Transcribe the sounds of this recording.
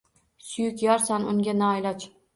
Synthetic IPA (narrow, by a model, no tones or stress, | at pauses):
sʊjʊkʲjɒɾsanʊŋɡʲanaːjlat͡ʃ